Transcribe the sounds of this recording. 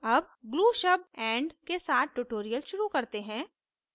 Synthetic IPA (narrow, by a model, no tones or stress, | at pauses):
ɐb | ɡluːʃɐb̚ɛ̃ːɳɖkesaːt̪̚ʰʈuːʈoːɾijəlʃʊɾukɐɾt̪eɦɛ̃ː